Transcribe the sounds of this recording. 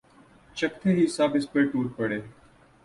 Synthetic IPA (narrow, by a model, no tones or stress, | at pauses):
t͡ʃək̚t̪ʰeːɦisaːbɪspeʈuːʈ̚pəɽeː